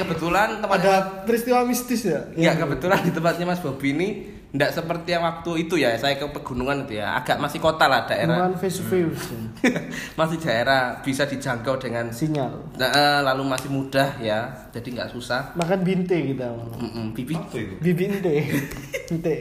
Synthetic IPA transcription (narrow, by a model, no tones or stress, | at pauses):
kəbət̪ulant̪əmpadapɾist̪iwamist̪ɪsjaŋɡaʔkəbət̪ulant̪əmpat̪̚ɲamasɪ̥b̥a̤b̥ini | ndaʔsəpərt̪ijaŋwak̚t̪uit̪ujasajakəpərɡ̥ṳnuŋanit̪uja̰ʔa̰ɡ̥aʔmasɪhkot̪alahd̥aeɾaanfesufeus | masɪhd̥a̤eɾab̥isad̥i̤d͡ʒaŋkawdeŋansiɲal | əʔəlalumasɪhmud̥ahjḁ | d͡ʒ̥adiŋɡa̰ʔsusahmakanbint̪eɡit̪am̩ʔm̩b̥ibint̪eubibint̪ebint̪e